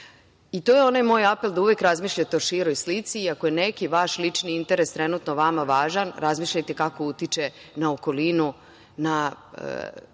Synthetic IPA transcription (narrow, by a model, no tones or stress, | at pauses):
it̪oje̞o̞najmo̞ːjape̞ld̪auʋekɾazmiːʃʎat̪eoʃiɾo̞jslit̪siiakoje̞nekiʋaʃlit͡ʃniint̪e̞ɾest̪ɾenuːt̪no̞ʋamaʋaːʒanɾʔazmiːʃʎajt̪e̞kako̞ut̪it͡ʃe̞ | naoko̞linu | na̰